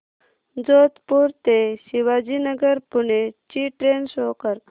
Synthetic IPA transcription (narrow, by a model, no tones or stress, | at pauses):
d͡zot̪puɾt̪esiʋad͡ʑinəɡəɾpunet͡ɕiʈɾensokəɾ